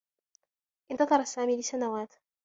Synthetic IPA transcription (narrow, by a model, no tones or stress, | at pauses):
ʔɪnt̪ɑðˤɑɾˤasːaːmiːlɪsanawaːt̪